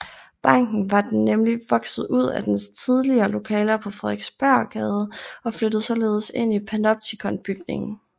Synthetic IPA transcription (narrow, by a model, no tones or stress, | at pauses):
b̥ɑ̈ŋ̰ɡ̥n̩ʋɑ̈d̥enːemliʋɒ̽ɡ̥sð̩ˠuð̰ˠæd̥enst͡sʰið̞ˠliɐːlo̝kʰɛːlɐpʰɒ̽fʁɛðˠeɡ̥sb̥æɐ̰ɡ̥ɛːðˠɒ̽flød̥ð̩ˠsɒ̽le̝ːð̞ˠse̝n̰ipʰænɒb̥̚sʰikʰɒ̽nb̥yɡ̥ne̝ŋn̩